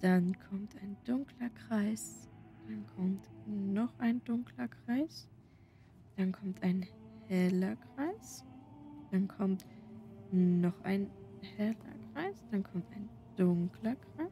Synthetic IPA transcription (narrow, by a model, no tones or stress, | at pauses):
d̥ankʰɔmtaɪnd̥ʊŋklɐkʁ̥aɪsd̥ankʰɔmtnɔχʔaɪndʊŋkʰlɐkʁ̥aɪs | d̥ankʰɔmtʰʔaɪnhɛlɐkʁ̥aɪs | d̥ankʰɔmt | nɔχʔa̰ɪnhɛlɐ̰kʁ̥aɪsd̥ankʰɔmtaɪn | d̥ʊŋkʰlɐkʁ̥aɪs